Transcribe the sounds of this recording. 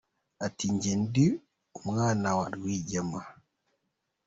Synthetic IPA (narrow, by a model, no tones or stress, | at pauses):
ʔatiɲd͡ʒɛndi | umŋanawa̰ɗwid͡ʒama